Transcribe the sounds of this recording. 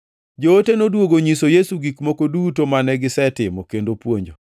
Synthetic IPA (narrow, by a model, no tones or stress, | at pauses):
d͡ʒoːtenodwoɡoɲisojesuɡikmokodutomanɛɡɪsɛtɪmɔkendopwoɲd͡ʒo